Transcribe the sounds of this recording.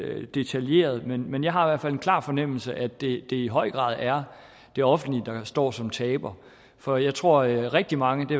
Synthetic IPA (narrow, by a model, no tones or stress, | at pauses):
d̥e̝t͡sʰælje̝̰ːɐð̞̩ˠmenmenjɑ̈ɪɦɑ̈iʋæɐfæle̝nkʰlɑ̰̈ːfɒ̽nem̰l̩səʔæ̥e̝d̥e̝iɦɒ̽ɪ̰ɡ̥ʁɑ̰̈ːð̞ˠæɐ | d̥e̝ɒ̽fn̩lid̥ɑ̈sd̥ɒ̰ːsɒ̽mt͡sʰɛːb̥ɐ | fɒ̽jɑ̈ɪt͡sʰʁo̝ɐ̰ʁɛɡ̥̚d̥imɑ̈ŋəd̥e̝